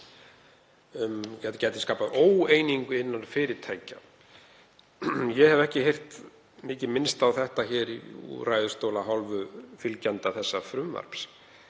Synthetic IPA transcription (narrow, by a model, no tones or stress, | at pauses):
mcɛt̪cɛːjt̪ɪskaːpaðoːweːjniŋkʏɪnːanfɪːɾɪɾt̪ʰajca̰ | jɛhɛvɛhcɪhejr̥t̪ | mɪːcɪmɪnst̪awθɛht̪açɛːɾiṵɾajðʏst̪oːwlaɦɔlvʏfɪlcant̪aθɛsːafɾʏmva̰ɾ̥ps